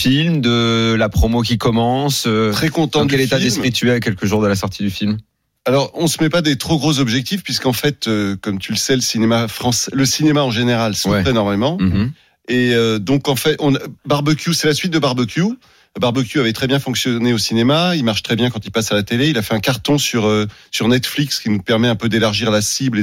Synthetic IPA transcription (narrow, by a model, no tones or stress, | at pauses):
filmd̪əlapχomok̬ʲikɔmɑ̃st̪χɛkɔ̃t̪ɑ̃dk̪ɛletfadiɛspmχit̪yɛkʲɛlkəʒuʁd̪əlasɔʁt̪ʰid̪yfilm | alɔʁɔ̃səmɛpad̪et̪χoɡʁozɔbʒɛk̚t̪ifpɥis̬kɑ̃fɛt̪økɔmt̪ʰyləsɛləsinemafχɑ̃sɛləsinemaɑ̃ʒeneʁalswɛɛnɔʁmalmɑ̃ | eød̪ɔ̃kɑ̃fɛt̪ɔ̃nbaʁbəkʲjusɛlasɥit̪̚d̪əbaʁbøkʲju | baʁbøkjuavɛt̪χɛbjɛ̃fɔ̃ksjɔneosinemailmaʁʃt̪χɛbjɛ̃kɑ̃t̪ipasalat̪eleilafɛɛ̃kaʁt̪ɔ̃syʁøːyʁnɛt̪flikskʲinupɛʁmɛɛ̃pød̪elaʁʒiʁlasible